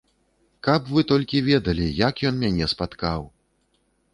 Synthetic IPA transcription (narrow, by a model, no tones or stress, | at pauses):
kapvɨt̪ɔlʲkʲivʲɛd̪ɐlʲijakjɔnmʲanʲɛspat̪kaw